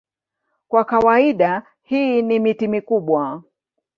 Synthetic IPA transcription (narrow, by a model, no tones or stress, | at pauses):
kwakawaiɗa | hiːnimitimikuɓwa